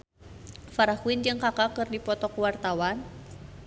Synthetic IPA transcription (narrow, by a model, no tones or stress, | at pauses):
faɾahuind͡ʒɨŋkakakɨrdipɔt̪ɔkuwart̪awan